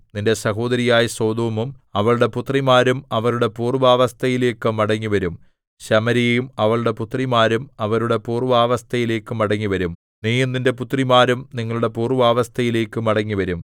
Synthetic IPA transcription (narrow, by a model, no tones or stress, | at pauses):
ninde̞sɐɦo̞ːd̪ɐɾijaːjɐso̞ːd̪oːmumɐʋɐɭuɽe̞put̪rimaːɾumɐʋɐɾuɽe̞puːrʋaːʋɐst̪ʰɐjile̞ːkːɨmɐɽɐŋːiʋɐɾum | ɕɐmɐɾijejumɐʋɐɭuɽe̞put̪rimaːɾumɐʋɐɾuɽe̞puːrʋaːʋɐst̪ʰɐjile̞ːkːɨmɐɽɐŋːiʋɐɾum | niːjumninde̞put̪rimaːɾumniŋːɐɭuɽe̞puːruʋaːʋɐst̪ʰɐjile̞ːkːɨmɐɽɐŋːiʋɐɾum